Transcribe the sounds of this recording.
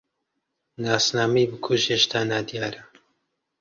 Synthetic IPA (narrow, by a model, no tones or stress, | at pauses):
naːsnaːmiːbɨkʰuʒeʃt̪ʰaːnaːd̪ijɑːɾa